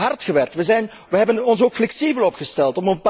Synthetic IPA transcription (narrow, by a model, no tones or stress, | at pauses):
ɦɑrtχəʋɛrktʋəzɛjn | ʋəɦɛbənɔns̬oːkflɛksibəlˠɔpχəstɛlˠtɔmənp